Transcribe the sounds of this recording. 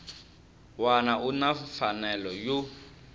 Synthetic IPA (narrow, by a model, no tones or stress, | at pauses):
wanaunafanɛlɔju